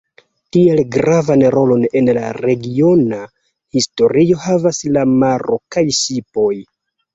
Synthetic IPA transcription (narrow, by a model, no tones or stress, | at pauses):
tie̞lɡɾavanɾo̞lo̞ne̞nlaɾe̞ɡio̞na | histo̞ɾio̞havaslamaɾo̞kajʃipo̞j